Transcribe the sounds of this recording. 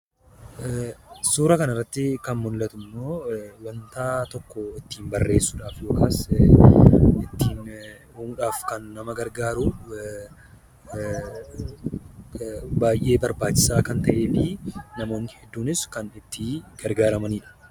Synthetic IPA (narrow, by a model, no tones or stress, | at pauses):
suːɾɐkɐnɐrːɐt̪ːɪkɐnmʊnllːɐt̪ʊmːo̞ːwɐnt̪aːt̪ɔkːɔɪt̪ːiːmbɐrːe̞ːsːʊᶑaːfjo̞ːkaːs | ɪt̪ːiːn | huːnᶑaːfkɐnːɐmɐɡɐɾɡaːɾu | baːjʔe̞ːbɐɾbaːt͡ʃːɪ̥saːkɐnt̪ɐʔeːliːnɐmo̞ːnːɪhɛd̪ːuːnɪskɐnɪt̪ːɪɡ̥ɐɾɡaːɾɐmɐniːᶑɐ̥